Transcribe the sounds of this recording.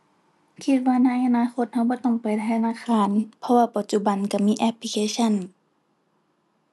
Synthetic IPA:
kʰi˧t̪̚waː˧na˧˥˨jʔa˧naː˧˥˨xo˧˦t̪̚ha˧˩wbɔː˧˦t̪ɔ˧˩ŋpa˨jt̪ʰa˧jtʰa˧naː˧˥˨kʰaː˧˥˨npʰɔ˧waː˧pa˨˧˩t̪̚t͡ɕu˧˨ba˨nka˧˩miː˧˥ʔɛ˧pli˧kʰeː˧˥˨sʰa˧˨n

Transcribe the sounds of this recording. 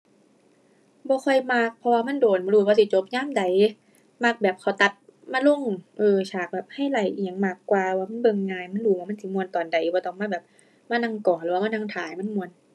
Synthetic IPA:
bɔː˧˦xʰɔ˧˩jmaː˧˩k̚pʰɔ˧waː˧ma˧˥˨ndoː˨˩n˧ɾu˧˩bɔː˧si˧˦t͡ɕo˧˦p̚ɲaː˧˥˨mda˨˩j | ma˧˩k̚bɛː˨˩p̚kʰa˨˩wt̪a˨˩t̪̚maː˧˥lo˧˥˨ŋʔɤː˧˩t͡ɕʰaː˨˩k̚bɛː˨˩p̚ha˧˥˩jla˨˩jʔi˨˧˩ŋmaː˧˩kːwaː˧waː˧˩ma˧˥˨nbɤ˧ŋːaː˧jma˧˥˨duː˧˩waː˧ma˧˥˨si˧˦mu˧ənt̪ɔː˨˩nda˨˦jbɔː˧˦t̪ɔ˧˩ŋmaː˧˥˨bɛː˨˩p̚ | maː˧˥˨na˧ŋkɔː˨˩nlɯː˨˦waː˧maː˧˥na˧ŋt̪ʰaː˨˦jma˧˥˨nmu˧ən

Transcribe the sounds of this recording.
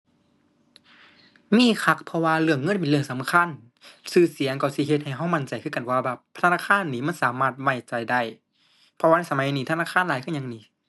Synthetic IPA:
miː˧˥˨kʰa˧˩k̚pʰɔ˧waː˧lɯ˧˩əŋːɤ˧˥˨pe˨˩˨lɯ˧˩əŋsa˨˦m˧kʰa˧˥˨n | sɯː˧˨si˨˩˦əŋkɔ˧˩si˧˩he˧t̪̚ha˨˩jɦa˧˩˨wma˧˩nt͡ɕa˨˩jkʰɯː˧˥˨ka˨nwaː˧bɛː˧˩p̚ʰtʰa˧naː˧˩kʰaː˧˥˨nːiː˧˩ma˧˥˨nsaː˨˦maː˧˥˩t̪̚wa˧˩t͡ɕa˨˩jda˧˩j | pʰɔ˧waː˧n˧˥˨sa˧ma˨˦jniː˧t̪ʰa˧˨naː˧˥˩kʰaː˧˥˨nlaː˨˦kʰːɲa˧ŋniː˧˦

